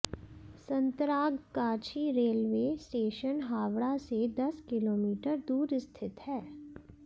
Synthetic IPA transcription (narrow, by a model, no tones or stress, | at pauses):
sə̃nt̪ɾaːɡkaːt͡ʃʰiɾeːlʋeːsʈeːʃənɦaːʋɽased̪ɐskɪloːmiːʈəɾd̪uːɾɪst̪ʰɪt̪ɦɛː